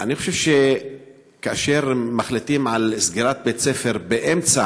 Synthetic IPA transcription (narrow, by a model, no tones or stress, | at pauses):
ʔaniχo̞ʃev̥ʃe | kaaʃe̞ʁmaχlit̪imʕalsɡiʁat̪̚bet͡sefe̞ʁbeʔemt͡sa